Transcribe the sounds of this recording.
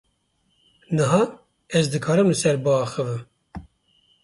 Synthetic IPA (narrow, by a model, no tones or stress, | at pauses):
nɨɦɑː | ɛzd̪ɨkʰɑːɾɨmlɨsɛɾbɨɑːxɨvɨm